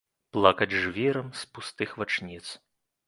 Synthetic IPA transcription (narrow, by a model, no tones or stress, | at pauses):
plˠakɐd͡zʲʐvʲɛɾɐmspust̪ɨxvat͡ʂnʲit̪s